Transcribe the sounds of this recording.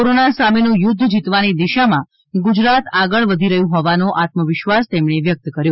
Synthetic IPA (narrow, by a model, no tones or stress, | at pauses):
oɾonasamenũjʊd̪ʱːd͡ʒit̪ʋanid̪iʃamã | ɡud͡ʒɾat̪aɡəɭʋəd̪ʱiɾəjũɦɔʋanoʔat̪məʋɪʃʋast̪emɳeʋjək̚t̪kəɾjo